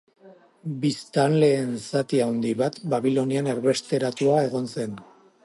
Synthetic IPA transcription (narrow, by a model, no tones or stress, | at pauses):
bist̪anle̞ːnsat̪iawnd̪iβat̪baβilo̞nianeɾβe̞st̪e̞ɾat̪uae̞ɣ̞o̞nse̞n